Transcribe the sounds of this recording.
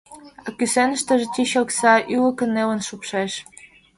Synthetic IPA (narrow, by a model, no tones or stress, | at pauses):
ɑkysenəʃt̪ə̆ʒĕt̪ʲiɕoksɑʔylə̆kə̆nːelə̆nʃupʃeʃ